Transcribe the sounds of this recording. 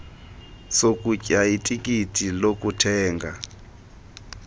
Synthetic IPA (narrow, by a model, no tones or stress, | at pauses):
sokʼucʼaitʼikʼitʰʼilokʼutʰɛːŋɡa